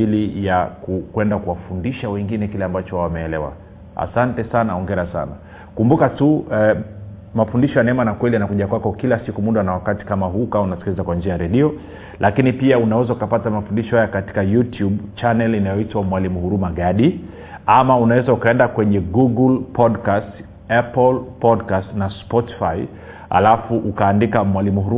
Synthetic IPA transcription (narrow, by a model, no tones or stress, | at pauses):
ilijakukwɛndakuwafundiʃawɛŋɡinɛkilɛambat͡ʃɔwawamɛːlɛwa̰ | a̰santɛsanaɔŋɡɛɾasa̰na̰ | kumbukatu | mafundiʃɔjanɛɛmanakwɛlijanakuʄakwakɔkilasikumuɗanawakati̥kamaɦukaunasi̥kilizakwand͡ʒiajaɾɛɗiɔ | lʔakinipiaunawɛzaukapatamafundiʃɔhajakati̥kajutjuɓt͡ʃanɛlinajɔitwamwalimuhuɾumaɠaɗi | amaunawɛzaukaɛndakwɛɲɛɡuɡulpʰɔdkast | apɔlpɔdkastnaspɔti̥fai | a̰lafuʔukaːndikamwalimuhuɾu